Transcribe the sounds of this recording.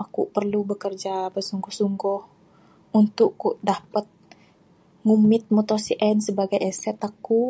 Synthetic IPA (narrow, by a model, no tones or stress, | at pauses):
ʔakupərlubəkərd͡ʒabəsuŋɡʊhsuŋɡɔh | unt̪ʊʔuʔdapət̪̚ | ŋumɪt̪̚mɔt̪osiʔɛnsəbaɡajɛsɛt̪aku